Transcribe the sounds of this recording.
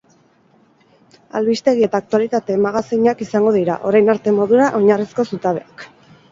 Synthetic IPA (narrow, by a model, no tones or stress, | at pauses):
a̰lβist̪e̞ɣie̞t̪aːk̚t̪ualit̪at̪e̞maɣaseɲakisaŋɡo̞ðiɾa̰ʔo̞ɾajnaɾt̪e̞mo̞ðuɾaʔo̞ɲarisko̞sut̪aβe̞ak